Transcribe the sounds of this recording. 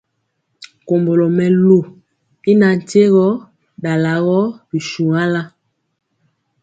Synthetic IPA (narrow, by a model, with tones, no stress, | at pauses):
ko˨mbo˨lɔ˨mɛ˨lo˨ | i˦na˨n̩˨te˦ɣɔ˦ | da˨la˨ɣɔ˦bi˨ʃu˨ŋa˦la˦